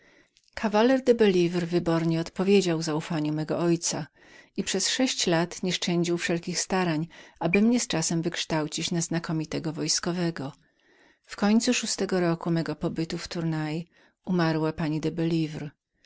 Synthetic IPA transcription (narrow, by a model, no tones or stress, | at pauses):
kʰavalɛɾd̪ɛbɛlʲivɾvɘbɔɾɲɛɔt̪pɔvʲjed͡ʑawzaufaɲumɛɡɔɔjt̪sa | ipʂɛsʂɛɕt͡ɕlat̪ɲɛʂt͡ʂɛɲd͡ʑiwfʂɛlkʲixst̪aɾaɲʔabɘmɲɛst͡ʂasɛmvɘkʂt̪awt͡ɕit͡ɕnaznakɔmʲit̪ɛɡɔvɔjskɔvɛɡɔ | fkɔɲt̪suʂust̪ɛɡɔɾɔkumɛɡɔpɔbɘt̪uft̪uɾnaj | umaɾwapaɲid̪ɛbɛlʲivɾ